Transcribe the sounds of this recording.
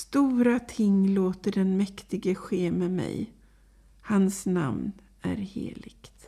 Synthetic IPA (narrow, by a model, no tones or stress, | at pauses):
st̪uːɾat̪ʰɪŋːloːt̪əɖɛnmɛkt̪ɪɡəɧeːmɛmɛ̰j | hansna̰mn | æ̰ɾhḛːlɪɡ̥t̪